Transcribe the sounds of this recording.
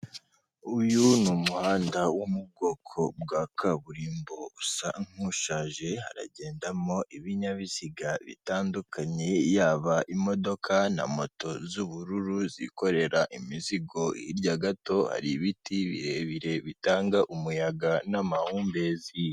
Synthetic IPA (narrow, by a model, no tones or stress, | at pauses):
ujunuːmuhaːndawumub̚ɡo̞kʰo̞bɡakʰaβuɾiːmbo̞usaŋ̥huʃaːʒe̞ha̰ɾa̰ɟe̞ːndamo̞ʔiβiɲaβisiɡaβḭtaːndukʰaɲe̞jaːβaʔimo̞do̞kʰana̰mo̞to̞zuβuɾuɾuzḭko̞ɾe̞ɾaʔimiziɡo̞iɾɟaɡato̞ha̰ɾiβitiβḭheβiɾe̞βitaːŋɡaʔumujaɡanamahuːmbe̞zi